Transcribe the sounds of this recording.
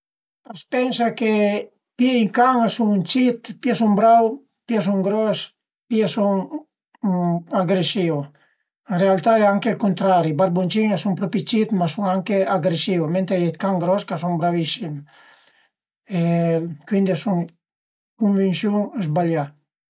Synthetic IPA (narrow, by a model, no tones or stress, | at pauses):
paspɛnsake | piiŋkaŋasut͡ʃit̪piasuŋbɾaw | pias̬uŋɡɾɔs | piasuŋ | aɡɾesiw | realt̪aɛaŋkekunt̪ɾaɾibaɾbont͡ʃiŋasuŋpɾɔpit͡ʃit̪masuŋaŋkeaɡɾesiwment̪ejet̪kaŋɡɾɔskasuŋbɾavisim | ekwind̪esuŋ | kuɱvinsjuŋzbaʎa